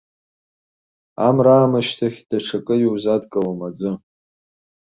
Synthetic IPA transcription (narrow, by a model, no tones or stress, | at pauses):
amraːmaʃtʰaχʲd̥aʈ͡ʂʰakʼɨjiwzadkʼɨlamad͡zɨ